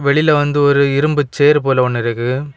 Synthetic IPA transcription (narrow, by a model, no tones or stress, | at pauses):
ʋɛɭɪlɐʋɐnd̪ɯɔɾɯɪɾɯmbɯt͡ʃːeːɾpoːlɐɔɳːɪɾɐɣɯ